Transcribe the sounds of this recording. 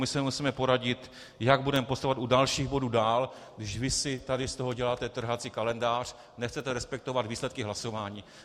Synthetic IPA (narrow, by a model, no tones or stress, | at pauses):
mɪsɛmusiːmɛpo̞ɾaɟɪt̪ | jaɡ̚budɛmɛpost̪avat̪udalʃiːɣbo̞duːdaːl | ɡdɪʃvɪsɪt̪adɪst̪o̞ɦo̞ɟɛlaːt̪ɛt̪r̩ɦat͡siːkalɛndaːr̝̥ | nɛxt͡sɛt̪ɛɾɛspɛk̚t̪o̞vad̪viːslɛt̪̚kɪɦlaso̞vaːɲiː